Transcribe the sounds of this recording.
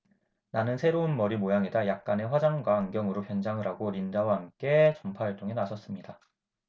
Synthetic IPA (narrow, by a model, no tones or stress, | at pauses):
nanɯnsʰe̞ɾounmʌɾimojaŋedajak̚k͈ane̞ɸwad͡ʑaŋɡwaːŋɡjʌŋɯɾopjʌnd͡ʑaŋɯɾaɡoɾind͡ʑawaɦamk͈e̞t͡ɕʌmpʰaaɭt͈oŋe̞nasʰʌs͈ɯmɲida